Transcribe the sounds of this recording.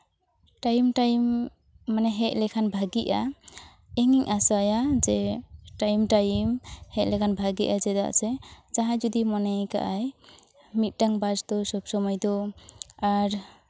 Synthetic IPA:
ʈajmʈajmː | anɛɦɛʔ̚ˀlɛkʰanbʱaɡiʔa | ɛŋiŋʔasajad͡ʒɛʈajmʈajmhɛʔ̚ˀlɛkʰanbʱaɡiʔad͡ʒɛd̪a̰ʔsɛd͡ʒaɦad͡ʒɔd̪imɔnajka̰ʔaj | mit̪̚ˀʈaŋbad͡ʒd̪ɔsɔbsɔmɔjd̪ɔ | aɾ

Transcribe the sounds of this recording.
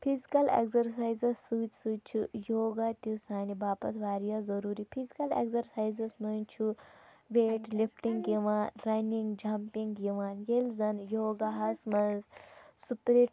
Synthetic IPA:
pʰizikɐlḛkzɐɾsaːjzɐssɨːt͡ʃsɨt͡ʃʰujoːɡat̪isaːnibaːpɐt̪ʰʋaːɾijazɐɾuːɾipʰizikɐlḛkzɐɾsaːjzɐsnɐnt͡ʃʰu | ʋeːʈlifʈiŋɡiʋaːnɾɐniŋɡd͡ʒampiŋɡiʋaːnjelzɐnjoːɡaɦɐsmɐnzsupɾeʈ

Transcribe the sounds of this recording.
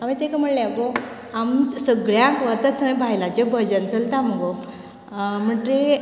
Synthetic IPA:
amit̪ekəm̤əɳleako | amsəɡɭjãkʋət̪ət̪ʰəbʱajlãt͡ɕabəd͡ʑənt͡səlt̪aməɡo | m̤əʈɾe

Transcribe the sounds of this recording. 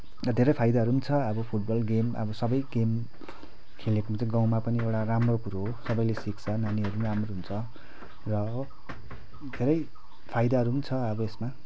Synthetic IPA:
rʌd̪ʱeɾʌjpʰajd̪aɦʌɾunit͡sʰʌʌbʌpʰuʈ̚bʌlɡemʌ̰bʌsʌbʌjɡem | kʰelekomt͡sãɡaw̃mapʌniewʈaramrokuɾoɦsʌbʌjlesikt͡sʰʌnaniɦʌɾunramroɦunt͡sʰʌ | rʌ | d̪ʱeɾʌj | pʰajd̪aɦʌɾunit͡sʰʌʌbʌesma

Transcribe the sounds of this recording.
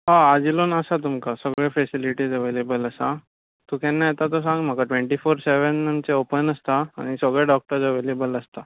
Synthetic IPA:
ɦaad͡ʑilonəsat̪umkasəɡɭefesiliʈiːd͡zəʋelebələsa | t̪ukɛ̃nːajet̪at̪os̬ãŋɡm̤akaʈʋẽɳʈifoɾseʋənəmt͡seopənəst̪aa̰ɽ̃isəɡɭjaɖɔk̚ʈəɾd͡zəʋelebələst̪a

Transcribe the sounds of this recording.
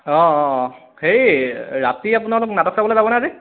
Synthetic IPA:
ɔ̃ | xeɹiɹa̰tiap̬ʊnalʊknatɔksabɔlezabɔnaze

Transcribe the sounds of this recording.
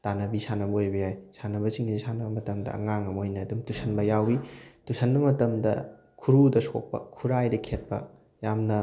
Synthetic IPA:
tanɐbisanɐbɐojbɐjajsanɐbɐsiŋɡizisanɐbɐmɐtɐmdɐ̰ɐ̰ŋaŋɐmojnɐːdumtusɐnbɐjawitusʰɐnbɐmɐtɐmdɐ̰ | kʰuɾudɐsʰo̰k̚pɐ̰kʰuɾajdɐkʰet̚pɐ̰ | jamnɐ

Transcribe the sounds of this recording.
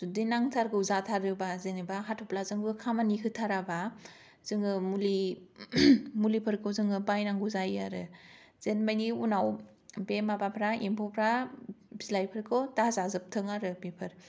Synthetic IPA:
zudinaŋtʰaɾɡɯuzatʰaɾɯbazenibaɦatʰɔplazɯŋbɯkʰamanikʰɯtʰaɾaba | z̥ɯŋɯmuli | mulipʰɯɾkʰowzɯŋɯbajnaŋɡuzajaɾɯ | z̥enmajniunaw | bemabapʰɾaempʰopʰɾabizlajpʰɯɾkʰowtazazɯp̚tʰɯŋaɾɯbepʰɯɾ

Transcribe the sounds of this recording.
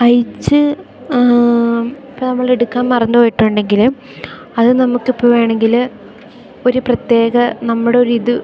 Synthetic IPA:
ɐjt͡ɕːɨ | ipːoːnɐmːɐɭeɽukːaːnmɐrɐnːuojiʈːoːɳɖe̞ŋɡilm | ɐðɨnɐmukːipːoːʋeːɳe̞ŋɡil | o̞ɾuprɐt̪je̞ːɣɐnɐmːuɽeo̞ɾuiðu

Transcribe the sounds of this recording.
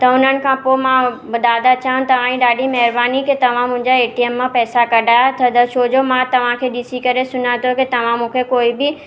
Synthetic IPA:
t̪ɐʊn̤ənɪ̆kʰãpomãʋɐd̪ʱaːd̪at͡ɕãːt̪ɐʋ̤ãːĩɗaːɗʱimɛɦɪɾbaːnikʰet̪ɐʋ̤ãmʊ̃ɦɪ̃ɲd͡ʑaeːʈiemːãpɛːsakɐɖʱaːjt̪ʰɐd̪ɐʃoːd͡ʑomãt̪ɐʋ̤ãkʰeːɗɪsikɐɾesʊnat̪oket̪ɐʋ̤ãmũːkʰekoːibɪ

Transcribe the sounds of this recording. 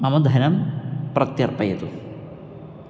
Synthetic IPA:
ɐmɐd̪ʱɐnɐmprɐt̪jɐrpɐjɐt̪ːu

